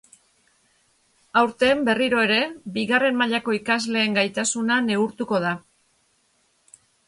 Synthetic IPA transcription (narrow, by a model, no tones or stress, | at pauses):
awɾt̪e̞mbe̞riɾo̞e̞ɾe̞biɣare̞mmaʎako̞ikazle̞ːŋɡajt̪asunane̞uɾt̪uko̞ð̞a